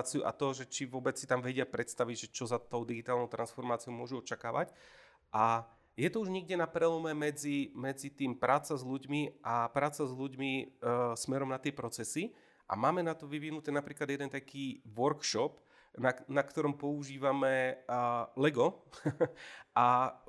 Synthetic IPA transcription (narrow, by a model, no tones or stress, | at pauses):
t͡siuʔa̰t̪ɔʒɛt͡ʃiʋʊɔbɛt͡ssi̥t̪amʋɛɟɪapɾɛt̪st̪aʋiɟʒɛt͡ʃɔzat̪ɔʊd̪iɡit̪aːlnɔʊt̪ɾansfɔɾmaːt͡sijɔʊmʊɔʒuɔt͡ʃakaːʋa̰c | ʔa | jɛt̪ɔuʒɲiɡɟɛnapɾɛlɔmɛmɛd͡zimɛd͡zit̪iːmpɾʔaːt͡sazʎuɟmiʔapɾaːt͡sazluɟmismɛɾɔmnat̪ɪɛpɾɔt͡sɛsi | ʔa̰maːmɛnat̪ɔʋiʋinut̪ɛːnapɾiːklad̪jɛd̪ɛnt̪akʰiːʋɔɾkʃɔp | nanakt̪ɔɾɔmpɔuʒiːʋamɛ | lɛɡɔ | ʔa